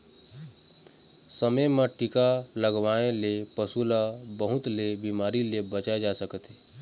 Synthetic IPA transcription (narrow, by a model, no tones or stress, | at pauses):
səməjməʈikaləɡʋaẽlepəsulabəɦʊt̪lebimaːɾilebət͡ʃaed͡ʒasəkət̪ɦeː